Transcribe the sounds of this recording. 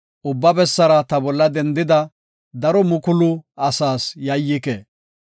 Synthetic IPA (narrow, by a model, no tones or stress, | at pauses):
ʔʊbːɐbɛsːɐɾɐt̪ɐbɔlːɐd̪ɛnd̪ɪd̪ɐ | d̪ɐɾɔmʊkʊlʊɐsaːsjɐjːɪke